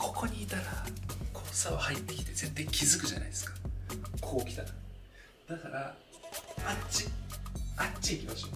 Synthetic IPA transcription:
kʰo̞̥ko̞ɲ̟iːt̪aɾakʰoːsaohait̪ːe̞kʲi̥t̪e̞zẽ̞nt̪aikʲizɨkɯ̟ʑa̰na̰id̪e̞sɨ̥kḁkʰo̞ːkʲi̥t̪at̪a | d̪̥akaɾa | at͡ɕi̥ | at͡ɕːiikʲimaɕoː

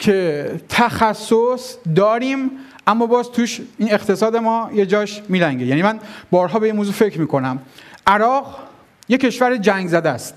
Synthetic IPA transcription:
cʰe̞t̪ʰæxæsːosd̪ɒːɾiːm | ʔæmːɒːbɒːzt̪ʰuːʃiːne̞qt̪ʰe̞sɒːd̪e̞mɒːje̞d͡ʒɒːʃmiːɾæŋɡejænimænbɒːɾɦɒːbeimoːzuːfecʰɾmiːkʰo̞næmʔæɾɒːɣ | je̞kʰe̞ʃvæɾed͡ʒæŋɡzæd̪æst̪

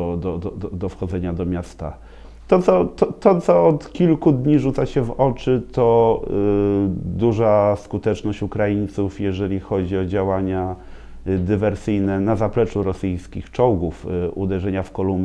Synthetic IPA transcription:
d̪ɔd̪ɔd̪ɔd̪ɔfxɔd̪zɛɲad̪ɔmʲjast̪a̰ | t̪ɔt̪sɔt̪ɔt̪ɔt̪sɔɔt̪kʲilkud̪ɲiʐut̪saɕɛvɔt͡ʂɘt̪ɔ | d̪uʐaskut̪ɛt͡ʂnɔɕt͡ɕukɾajint̪sufjɛʐɛlʲixɔd͡ʑiɔd͡ʑawaɲa | d̪ɘvɛɾsɘjnɛnazaplɛt͡ʂuɾɔsɘjskʲixt͡ʂɔwɡufʔṵd̪ɛʐɛɲafkɔlumbʲ

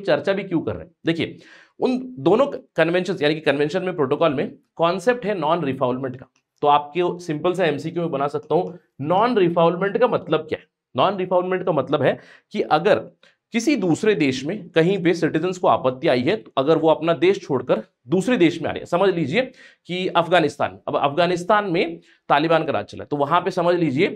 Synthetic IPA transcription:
t͡ʃɐɾt͡ʃabʱikjũkɐ̰ɾːḛ̃ɦɛd̪eːkʰiḛ | ʊnd̪oːnõkɐnʋɛ̃nʃə̃nsjaːnikikɐ̃nʋɛ̃nʃənmẽpɾoːʈoːkɔːlmẽkɔ̃ːnseːp̚ʈɦɛnɔːnɾɪfʰaːʊ̃lmɛ̃ɳʈkḁ | t̪oaːp̚kesɪ̃mpəls̬eɛmsiːkjumẽbɐnasɐk̚t̪aɦũ | nɔːnɾɪfʰaːʊ̃lmɛ̃ɳʈkamɐt̪ləb̚kja̰ːɦɛ | naːnɾɪpʰaːʊ̃lmɛ̃ɳʈkamɐt̪ləbɦɛ | kiʔɐɡəɾ | kɪsid̪uːsɾed̪eːʃmẽkɐɦĩpesɪʈɪzənskoa̰ːpət̪ːiaːiɦɛt̪oɐɡəɾʋoɐpnad̪eːʃt͡ʃʰoːɽkəɾ | d̪uːsɾed̪eːʃmẽa̰ːɾḛ̃sɐməd͡ʒʱliːd͡ʒie | kiɐfɡaːnɪst̪a̰ːnɐɐ̰fɡaːnɪst̪aːnmẽ | t̪aːlɪbaːnkaɾa̰ːd͡ʒ̚t͡ʃɐla̰ːt̪oʋɐɦãpesɐməd͡ʒʱliːd͡ʒieː

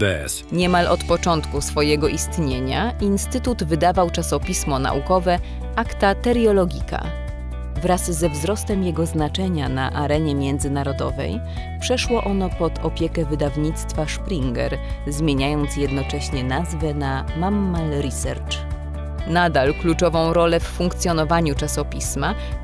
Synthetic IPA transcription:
ɛ | ɲɛmalɔt̪pɔt͡ʂɔnt̪kusfɔjɛɡɔʔist̪ɲeɲaʔinst̪ɘt̪ud̪vɘd̪avawt͡ʂasɔpʲismɔna̰ʔṵkɔvɛ | ʔakt̪at̪ɛɾjɔlɔɡʲika̰ | vɾazːɛvzɾɔst̪ɛmjɛɡɔznat͡ʂɛɲana̰ʔaɾɛɲɛmʲjɛnd̪zɘnaɾɔd̪ɔ̰vɛ̰j | pʂɛʂwɔʔɔnɔpɔt̪ɔpʲjɛkɛvɘd̪avɲit̪st̪faʂpɾiŋɡɛ̰ɾzmʲjeɲajɔnt̪sjɛd̪nɔt͡ʂɛɕɲɛnazvɛna | mamːalɾisɛ̰ɾt͡ʂ | nad̪alklut͡ʂɔvɔ̃w̃ɾɔlɛfːuŋkt̪sʲjɔnɔvaɲut͡ʂasɔpʲisma

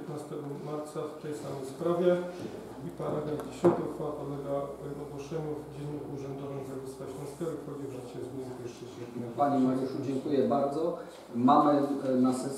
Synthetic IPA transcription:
t̪nast̪ɛɡɔmaɾt̪saft̪ɛjsamɛjspɾavʲjɛ | ipaɾaɡ̪ɛɡʲiɕɔnt̪ɔxfapɔlːɛɡanɔɡwɔʂɛɲuvd͡ʑɛnːɔxuʐɛnd̪ɔvɨɣzaɡʲiskaɕlɔ̃skʲɛɾixɔd͡ʑɛvʐɘt͡ɕɛzmʲizpʲɛʂt͡ʂɛt͡ɕɛɛpaɲɛmaɾʲjuʂud͡ʑɛŋkujɛbaɾd̪zɔ | mamɘnasɛs

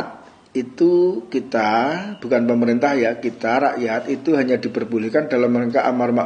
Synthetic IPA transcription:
t̪̚ | it̪ukit̪ab̥ukanpəməɾint̪ahjakit̪aɾaʔjat̪it̪uɦaɲadipərb̥ulɪhkandalamːəneŋkaʔamarma

